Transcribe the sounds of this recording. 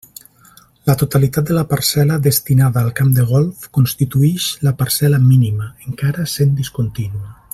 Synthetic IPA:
lət̪ot̪alit̪at̪̚d̪ələpəɾsɛləðəst̪inaðaːlˠkamd̪eɣ̞ɔlˠfkonst̪it̪uɛʃləpəɾsɛləminiməeŋkaɾəsend̪iskont̪inuə

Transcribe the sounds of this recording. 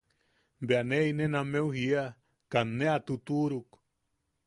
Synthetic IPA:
beaneinenameuhia | kanːeat̪ut̪uɾuk

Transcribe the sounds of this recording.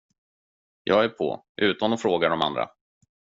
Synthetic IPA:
jʔɑːɡæɾpʰɔ̰ʔʉ̟ːt̪anɔfɾoːɡaɖɔma̰nd̪ɾa̰

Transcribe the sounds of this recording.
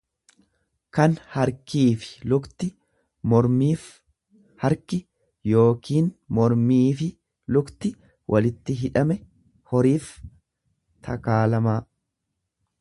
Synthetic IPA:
kɐnhɐɾkiːfɪ̥lʊkt̪ɪ | mɔɾmiːf | hɐɾkɪ | jo̞ːkiːnmɔɾmiːfɪ | lʊkt̪ɪ | wʔɐlɪt̪ːɪɦɪᶑɐmɛ | hɔɾiːf | t̪ʰɐ̰kaːlɐmaː

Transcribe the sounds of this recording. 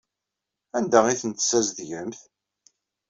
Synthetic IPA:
ænd̪æʁiθənt̪sæzðʝəmθ

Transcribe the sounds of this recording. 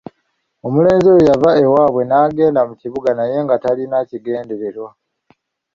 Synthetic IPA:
o̞mule̞ːnzojojavae̞waːβwe̞naːɡe̞ːndamuciβuɡanaje̞ŋɡatalinaciɡe̞ːnde̞ɾe̞ɾwa

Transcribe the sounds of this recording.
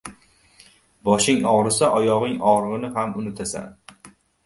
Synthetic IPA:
bɒʃɪŋɒʁɾɪsaʔɒjɒʁɪŋɒʁɾʁɨnɪɦamʊnɪt̪ʰasa̰n

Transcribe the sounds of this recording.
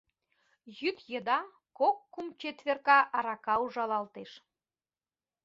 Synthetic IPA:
jyt̪jed̪ɑ | kokːumt͡ɕet̪βerkɑʔɑɾɑkɑuʒɑlɑlt̪eʃ

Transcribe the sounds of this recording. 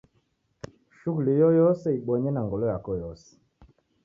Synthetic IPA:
ʃuɣulijɔjɔsɛiɓwɔɲɛnaŋɡɔlɔjakɔjɔsɛ̥

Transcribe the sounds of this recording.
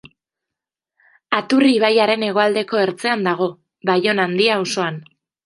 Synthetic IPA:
at̪uriːβ̞ajaɾe̞ne̞ɣ̞o̞ald̪e̞ko̞e̞ɾt͡se̞and̪aɣ̞o̞ | βajo̞nand̪iauso̞an

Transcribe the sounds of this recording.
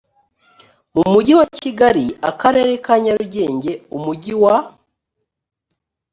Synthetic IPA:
mumuɟiwaciɡaɾiakaɾe̞ɾe̞kaɲaɾuɾɟe̞ːɲɟe̞umuɟiwa

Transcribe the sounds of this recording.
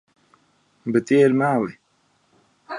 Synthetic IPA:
bət̪eːɾmaːwe

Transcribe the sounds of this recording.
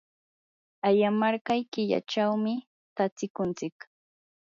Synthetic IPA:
ajamaɾkɑjkɪʎa̰t͡ʃawmɪ | t̪at͡sɪkʊnt͡sɪk

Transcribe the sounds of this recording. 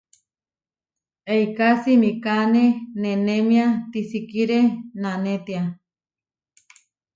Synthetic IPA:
eikasimikanenenemĩat̪isikiɾenanet̪ia

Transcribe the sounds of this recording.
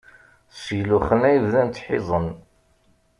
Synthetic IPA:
sjluχənæjəvðænt̪ħɪzˤən

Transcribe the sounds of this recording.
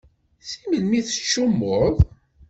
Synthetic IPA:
θiməlmiθə̥t͡ʃːumːʊð

